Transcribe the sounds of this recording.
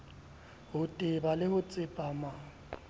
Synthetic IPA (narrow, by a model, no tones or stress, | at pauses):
hʊtʼɪbalɪhʊt͡sʼɪpʼaːma